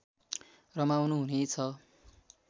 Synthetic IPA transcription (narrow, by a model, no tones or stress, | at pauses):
rʌmawnuɦunet͡sʰʌ